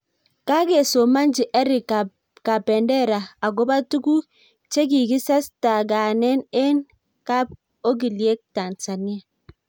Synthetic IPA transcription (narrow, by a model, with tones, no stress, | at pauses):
ka˦ɡe˨so˨ma˦nd͡ʒi˨ʔɛ˦ɾi˨ | ka˨pɛ˨ndɛ˦˨ɾa˨a˨ɡo˦ba˦tu˦ku˦ | t͡ʃe˦ɡ̬i˨ɡi˦sa˦sta˨ɡa˨nɛ˦ne˦n | ka˦b̚ | o˦ɡ̬i˨li˨e˦k̚ta˨nsa˨ni˦a˨